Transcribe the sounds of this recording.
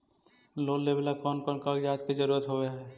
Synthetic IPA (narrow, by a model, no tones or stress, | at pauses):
loːlːeblakɔːnkɔnkakd͡ʒaːt̪̚kid͡ʒəɾuːɾət̪ɦoeɦɛ